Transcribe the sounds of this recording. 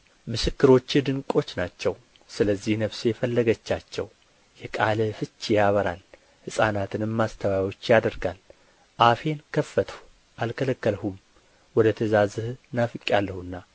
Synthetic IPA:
mɨsɨkːɨɾo̞t͡ʃːɪd̪ɨŋkʼo̞t͡ʃːnat͡ʃːɛw | sɨləzːihnəβsejɛfəlːəɡət͡ʃːat͡ʃːɛw | jɛkʼaləfɨt͡ʃːjaβəɾa̰l | hɨsʼanat̪ʰɨnɨmːast̪ʰəwajwo̞t͡ʃːjad̪əɾɡal | ʔafe̞nkʰəfːət̪ʰəhu | ʔalkʰələkːəlhum | wɔd̪ət̪ʰəzazɨhnafɨkʼjalːəhunːa

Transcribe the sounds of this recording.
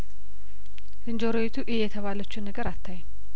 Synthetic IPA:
z̥ɨnd͡ʒoɾowet̪ʰuʔɪhjɛt̪ʰəβalət͡ʃːunːəɡəɾat̪ʰːaj

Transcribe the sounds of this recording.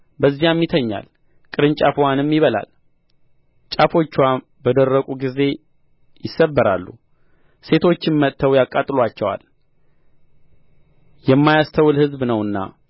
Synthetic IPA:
bəzːijamjɪt̪ʰəɲːa̰l | kʼɨɾɨnt͡ʃʼafuwanɨmːjɪβəla̰l | t͡ʃʼafo̞t͡ʃːwa | bəd̪ərːəkʼuɡize̞ | jɪsːəbːəɾa̰lːu | se̞t̪ʰo̞t͡ʃːɪnmət̪ʰːəwjakʼat̪ʼɨlwat͡ʃːɛwa̰l | jɛmːajast̪ʰəwlhɨzbnəwɨnːa̰

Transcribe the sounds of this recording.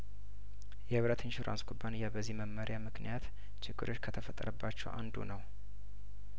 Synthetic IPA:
jɛhɨβɾət̪ʰinʃoɾʔa̰nsɡʼubːanɨjabəzːihməmːəɾjamɨknḭjat̪ | t͡ʃʰɪɡːɨ̰ɾʔo̞t͡ʃːkʰət̪ʰəfət̪ʼə̰ɾəbːat͡ʃːɛ̰wʔa̰nd̪ṵnəw

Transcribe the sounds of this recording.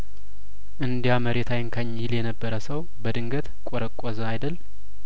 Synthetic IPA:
ʔɨnd̪ijaməɾet̪ʰajɪŋkʰaɲːɪljɛnəbːəɾəsəw | bəd̪ɨŋɡət̪kʷʼɔɾəkʷʼɔzəajd̪əl

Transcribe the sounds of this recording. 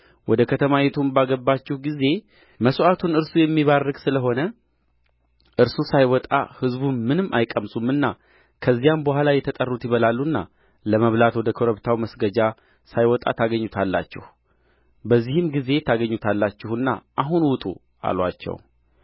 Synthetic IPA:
wʔɔd̪əkʰət̪ʰəmajɛt̪ʰumbaɡəbːat͡ʃːɛhɡize̞ | məsuʔat̪ʰunɨɾsujɛmːiβarːɨɡsɨləɦo̞nə | ʔɨɾsusajwɔt̪ʼa̰hɨzbunmɨnɨmːʔa̰jkʼəmsʼumːɨnːa | kʰəzːijambəhʷalajɛt̪ʰət̪ʼərːut̪jɪβəlalːuɨnːa̰ | ləməβlat̪wɔd̪əkʰoɾəβt̪ʰawməsɡəd͡ʒa | sajwɔt̪ʼa̰t̪ʰaɡəɲːut̪ʰalːa̰t͡ʃːɛ̰h | bəzːihɨmɡize̞t̪ʰaɡəɲːut̪ʰalːat͡ʃːɛhɨnːa̰ʔaɦunwʊt̪ʼṵ | a̰lwa̰t͡ʃːɛ̰w

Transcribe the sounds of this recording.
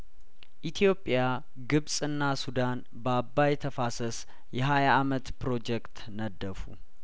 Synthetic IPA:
ʔit̪ʰijo̞pʼːja | ɡɨβsʼɨnːasud̪an | babːajɛt̪ʰəfasəs | jɛɦajaʔːmət̪pɾo̞d͡ʒɛkt̪ | nəd̪ːəfṵ

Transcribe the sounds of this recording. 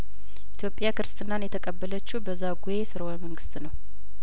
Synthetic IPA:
ʔʔit̪ʰjo̞pʼːjakɨɾɨst̪ʰʼɨnːanjɛt̪ʰəkʼəbːələt͡ʃːubəzːaɡuje̞sɨɾəoməŋɡɨst̪nəw

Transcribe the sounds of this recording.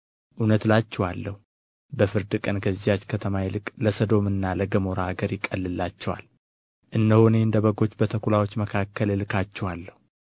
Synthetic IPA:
ʔunət̪lat͡ʃːɛwalːəhu | bəfɨɾd̪ɨkʼənɡəzːijat͡ʃːkʰət̪ʰəmajɛlɨkʼləsəd̪o̞mɨnːaləɡəmo̞ɾaːɡəɾjɪkʼːəlːɨlːat͡ʃːɛwa̰l | ʔɨnːd̪əhone̞ɨnd̪əβəɡo̞t͡ʃːbət̪ʰəkʰulawo̞t͡ʃːməkʰakʰːəllɨkat͡ʃːɛwalːəhu

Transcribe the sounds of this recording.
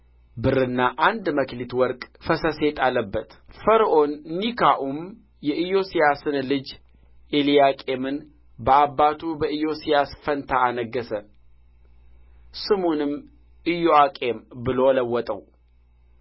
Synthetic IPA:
bɨɾɨnːaʔand̪məklit̪wɔɾkʼfəsəse̞t̪ʰʼalːəbːət̪fəɾʔonːikʰaʔum | jɛʔɨjo̞sijasɨnlɨd͡ʒ | ʔelijakʼe̞mɨn | bəabːat̪ʰubəɨjo̞sijasfənt̪ʰaːnəɡːəsən | sɨmunɨm | ʔɨjoakʼe̞mbɨlo̞ləwːɔt̪ʼə̰w

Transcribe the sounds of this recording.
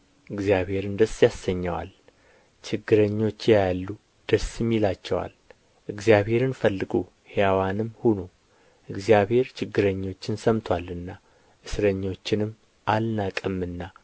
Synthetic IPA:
ʔɨɡzijaβhe̞ɾɨnd̪əsjasːəɲːawa̰l | t͡ʃʰɪɡːɨɾəɲːo̞t͡ʃːjejalːu | d̪̥əsɨmːilat͡ʃːɛwa̰l | ʔɨɡzijaβhe̞ɾɨnfəlːɨɡo | hejawanɨmhunu | ʔɨɡzijaβhe̞ɾt͡ʃʰɪɡːɨɾəɲːo̞t͡ʃːɪnsəmt̪ʰwalɨnːa | ʔɨsɾəɲːo̞t͡ʃːɪnɨmː | ʔalnakʼɨmːɨnːa

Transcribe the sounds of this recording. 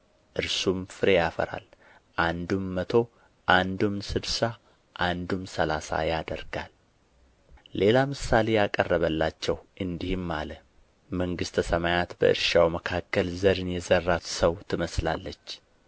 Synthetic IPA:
ʔɨɾsumfɨɾejafə̰ɾa̰l | ʔand̪umːət̪ʰo̞ | ʔand̪umsɨd̪sa | ʔand̪umsəlasa̰jad̪ə̰ɾɡa̰l | e̞lamɨsːale̞jakʼərːəβəlːat͡ʃːɛwʔɨnd̪ihɨmːalə | məŋɡɨst̪ʰəsəmajat̪bə̰ɨ̰ɾʃawməkʰakːəlzəɾɨnjɛzərːat̪səwt̪ʰɨməsla̰lːət͡ʃː

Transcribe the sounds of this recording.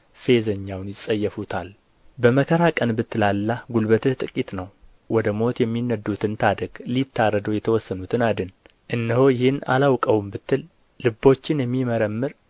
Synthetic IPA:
fe̞zəɲːawnjɪsʼəjːɛfut̪ʰal | bəməkʰəɾakʼənbɨt̪ːɨlalːaɡulbət̪ʰɨht̪ʼɨkʼit̪ʼnəw | wɔd̪əmo̞t̪jɛmːinːəd̪ːut̪ʰɨnt̪ʰad̪əɡ̥lit̪ʰːarːəd̪əwjɛt̪ʰəwɔsːənut̪ʰɨnad̪ɨn | ʔɨnːɨhojɪhɪna̰lawkʼəwumbɨt̪ːɨlː | ɨbːo̞t͡ʃːɪnjɛmːiməɾəmːɨɾ

